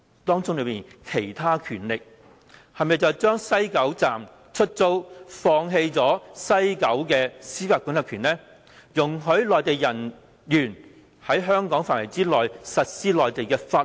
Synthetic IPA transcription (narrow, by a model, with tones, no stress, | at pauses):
t̪ɔː˥ŋt͡sʊ˥ŋlɵ˨˧ɥmiː˨nkʰe˨˩jt̪ʰaː˥kʰyː˨˩nlɪ˨k̚ | hɐ˨mɐ˨jt͡sɐ˨wt͡ʃœː˥ŋsɐ˥jkɐ˨˥wt͡saː˨m | t͡ʃʰɵ˥t̚t͡so˥wfɔː˧ŋɦe˧jt͡sɔː˨˥sɐ˥jkɐ˨˥wkɛː˧siː˥faː˧˥kʷʊ˨˥nlɐ˨˧kʰyː˨˩nlɛː˥ | jʊ˨˩ŋɦɵ˨˥ɥlɔː˨jt̪e˨jːɐ˨˩n | jyː˨˩n | hɐ˨˥jɦœː˥ŋkɔː˨˥ŋfaː˨˩nwɐ˨˩jt͡siː˥lɔː˨˩jsɐ˨t̚siː˥lɔː˨jt̪e˨jkɛː˧faː˧